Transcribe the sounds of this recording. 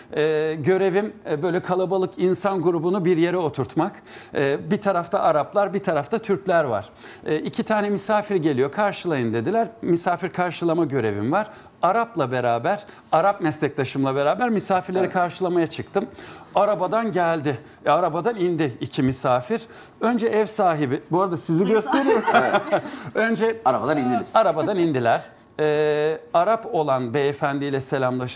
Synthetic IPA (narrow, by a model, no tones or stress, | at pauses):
ɛːɟø̞ɾe̞vimbø̞jlʲɛkʰalˠabalˠɯkinsanɡuɾubunubiɾje̞ɾɛo̞t̪ʰuɾt̪makː | bit̪ʰaɾaft̪ʰaʔaɾaplˠaɾbit̪ʰaɾaft̪ʰat̪ʰyɾclʲæɾva̰ɾ̥ | icʰit̪ʰaːnɛmisaːfiɾɟe̞lʲijo̞kʰaɾʃɯlˠajɯnd̪e̞d̪ilʲæɾmisaːfiɾkʰaɾʃɯlˠamaɟø̞ɾe̞̰vimvaɾ̥ | aɾaplˠabe̞ɾaːbæɾ̥ | aɾap̚mɛslʲɛclʲˠaʃɯmlˠabe̞ɾaːbæɾmisaːfiɾlʲe̞ɾikʰaɾʃɯlˠamajat͡ʃʰɯkt̪ʰɯmaɾabad̪anɟælʲd̪ɪ | aɾabad̪anind̪ɪicʰimisaːfiɾ̥ | ø̞nd͡ʒɛɛvsaːɦibibuaɾad̪asiziɟøst̪ʰe̞ɾijoɾ | ø̞nd͡ʒɛaɾabad̪anind̪iaɾabad̪anind̪ilʲæɾ̥ | ɛːaɾapo̞lˠanbeefænd̪ilʲɛse̞lʲamlˠaʃ